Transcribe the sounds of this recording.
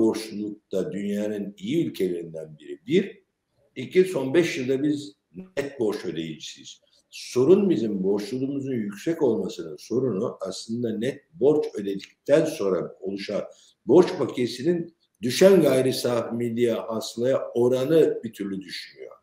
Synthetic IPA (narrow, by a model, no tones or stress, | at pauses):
bo̞ʃlulˠuk̚t̪ad̪ynjanɯnijiylʲcʰe̞lʲe̞ɾind̪ænbiɾibiɾ | icʰiso̞nbɛʃjɯlˠd̪abiz | nɛt̪̚bo̞ɾt͡ʃø̞d̪e̞jid͡ʒi̥siiz̥ | so̞ɾunbizimbo̞ɾʃlˠulˠuːmuzunjycʲsɛco̞lˠmasɯnɯnso̞ɾunuʔaslˠɯnd̪anɛt̪̚bo̞ɾt͡ʃø̞d̪e̞d̪ic̚t̪ʰænso̞nɾao̞lˠuʃaɾ | bo̞ɾt͡ʃpʰacʰesinin | d̪yʃænɡajɾisamid̪ʲijahaslˠajao̞ɾanɯbit̪ʰyɾlʲyd̪yʃynyjo̞̰ɾ̥